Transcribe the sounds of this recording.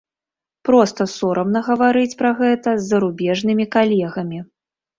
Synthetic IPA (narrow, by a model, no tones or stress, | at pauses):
pɾɔst̪ɐsɔɾʔɐmnɐɣɐvaɾɨt͡sʲpɾɐɣɛt̪ɐzːɐɾubʲɛʐnɨmʲikalʲɛɣɐmʲi